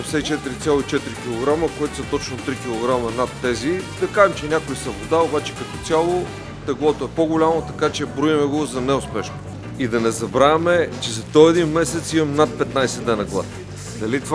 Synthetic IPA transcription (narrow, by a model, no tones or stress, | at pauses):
fsɛt͡ʃɛt̪iɾit̪sʲjalˠoit͡ʃɛt̪iɾikʲilˠoɡɾaməkoɛt̪ʊ̥sɐt̪ɔt͡ʃnot̪ɾikʲilˠoɡɾamɐnat̪ːɛzid̪ɐkaʒɛmt͡ʃɛnʲakʊisɐbod̪aobat͡ʃɛ̥kɐt̪ɔt̪sʲalˠo | t̪ɛɡlˠɔt̪oɛpoɡʊlʲamot̪ɐkat͡ʃɛbɾuimɛɡozɐnɛʊspɛʃno | id̪ɐnɛzɐbɾaɛmɛt͡ʃɛzɐd̪ɔɛd̪inmɛsɛt̪simɐmnat̪̚pɛt̪najsɛd̪nɛnɐɡlˠa̰t̪i | d̪ɐlit̪va